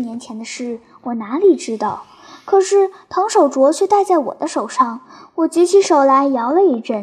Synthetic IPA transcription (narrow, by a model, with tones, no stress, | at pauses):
njɛ˧˥nt͡ɕʰjɛ˧˥nd̪ə˧ʂɻ̩˥˩ | wɔ˨˩na˧˥li˨˩ʈ͡ʂɻ̩˥t̪ɑ˥˩ʊ | kʰɤ˨˩ʂɻ̩˥˩t̪ʰɑ˧˥ŋʂo˨˩ʊʈ͡ʂwɔ˧˥t͡ɕʰɥɛ˥˧t̪a˥˧ɪt͡sa˥˩ɪwɔ̰˨˩d̪ə˦ʂo˨˩ʊʂɑ˥˩ŋwɔ˨˩t͡ɕi˧˥t͡ɕʰi˧˥ʂo˨˩ʊla˧˥ɪjɑ˧˥ʊlə˧i˥˩ʈ͡ʂə˥˩